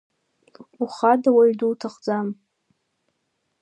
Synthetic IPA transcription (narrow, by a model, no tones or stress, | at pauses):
uχadawaɥduwtʰaχd͡zam